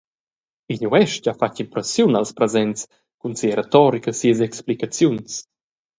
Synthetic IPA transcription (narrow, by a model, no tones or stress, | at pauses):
iɲuɛʃcafacimpɾɛsjunalspɾɛzɛnts | kunsiəɾet̪ɔɾikəsiəs̬ɛksplikat͡sjuns